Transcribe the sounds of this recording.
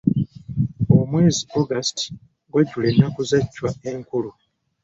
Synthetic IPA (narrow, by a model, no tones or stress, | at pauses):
omwe̞ːzioɡasti̥ | ɡwaɟulenːakuzacːwaeŋkulu